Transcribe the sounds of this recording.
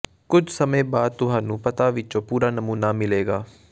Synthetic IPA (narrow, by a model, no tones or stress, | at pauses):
kʊd͡ʒʱsəmẽːbaːd̪̚t̪ʊɦãːnũːpət̪aːʋɪt͡ʃõːpuːɾaːnəmuːnaːmɪleːɡaː